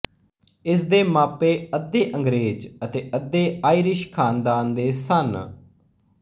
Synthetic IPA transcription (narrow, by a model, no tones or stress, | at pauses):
ɪs̬d̪eːmaːpeːəd̪ːeːʔəŋɡɾeːd͡ʒət̪eːʔəd̪eːaːiːɾɪʃkʰaːnd̪aːnd̪eːsən